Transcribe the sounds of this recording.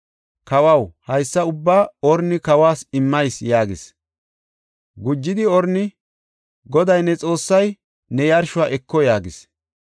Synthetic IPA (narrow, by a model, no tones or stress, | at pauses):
kɐwɐwhɐjsːɐʊbːaːɔɾnɪkɐwaːsɪmːɐjsjaːɡɪs | ɡʊd͡ʒːɪd̪ɪɔɾnɪ | ɡɔd̪ɐjnɛt͡sʼo̞ːsːɐj | nɛjɐɾʃʊwaːʔɛkːɔjaːɡɪs